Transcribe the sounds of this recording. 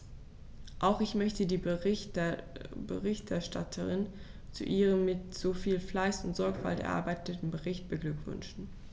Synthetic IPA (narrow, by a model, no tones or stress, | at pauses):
ʔaʊxɪçmœçtədiːbə | bəʁɪçtɛɐʃtʰa̰tʰəʁɪn | t͡sṵʔiːʁ̞əmːɪtz̥ofiːlflaɪsʊntz̥ɔɐkfa̰ltɛɐʔa̰ːbaɪtʰətn̩bəʁɪçt̚b̥əɡlʏkv̥ʏ̰nʃn̩